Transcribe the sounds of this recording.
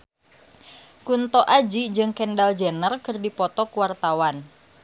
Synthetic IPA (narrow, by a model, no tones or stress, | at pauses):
kunt̪ɔʔad͡ʒid͡ʒɨŋkɛndald͡ʒenərkərdipɔt̪ɔkuwart̪awan